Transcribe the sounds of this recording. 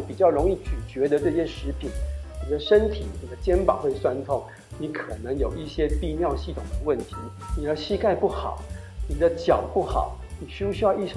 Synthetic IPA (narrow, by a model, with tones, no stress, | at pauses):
pi˨˩t͡ɕjɑ˥˩ʊɻʊ˧˥ŋi˥˩t͡ɕy˨˩t͡ɕɥɛ˧˥d̪ə˧ʈ͡ʂɤ˥˧ɕjɛ˥ʂɻ̩˧˥pʰi˨˩˦nni˨˩d̪ə˦ʂə˥nt̪ʰḭ˨˩ni˨˩d̪ə˦t͡ɕjɛ˥npɑ̰˨˩˦xwe˥˩ɪswa˥nt̪ʰʊ˥˩ŋ | ni˧˥kʰɤ˨˩nə˧˥ŋjo˨˩ʊi˥˩ɕjɛ˥pi˥˧mjɑ˥˧ʊɕi˥˩t̪ʰʊ˨˩ŋd̪ə˦wə˥˩nt̪ʰi˧˥ | ni˨˩d̪ə˧ɕi˥ka˥˧ɪpu˥˩xɑ̰˨˩˦ʊni˨˩d̪ə˦t͡ɕjɑ˨˩ʊpu˥˩xɑ̰˨˩˦ʊ | ni˨˩ɕy˥u˥˩ɕy˥jɑ˥˧i˥˩ʂ